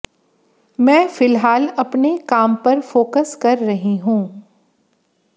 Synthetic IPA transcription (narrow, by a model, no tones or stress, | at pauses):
mɛ̃ːfɪlɦaːlɐpnekaːmpɐɾfoːkəskɐɾːɐɦĩɦũː